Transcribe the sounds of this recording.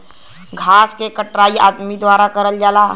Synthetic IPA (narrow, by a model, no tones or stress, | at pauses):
ɡʱaːskekəʈɾaːia̰ːd̪mid̪waːɾakəɾəld͡ʒaːla